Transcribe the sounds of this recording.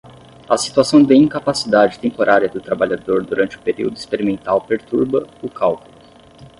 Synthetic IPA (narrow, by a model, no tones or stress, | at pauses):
ɐsi̥t̪uasɐ̃w̃d̪ɐĩkapasid̪ad͡ʒɪt̪ẽmpoɾʔaɾiɐd̪ʊt̪ɾabaʎad̪oɾd̪uɾʔɐ̃nt͡ʃɪʊpeɾḭwd̪ʊispeɾimẽnt̪awpeɾt̪uɾbɐʊkawkulʊ